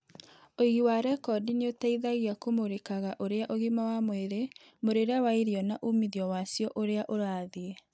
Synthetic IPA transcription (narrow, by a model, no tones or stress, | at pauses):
oiɣiwaɾɛkɔdineotaiðaɣiakomoɾekaɣaʔoɾeaʔoɣimawamweɾe | moɾeɾeawaiɾiɔnaʔumiðiɔwasjɔʔoɾeaʔoɾaːðie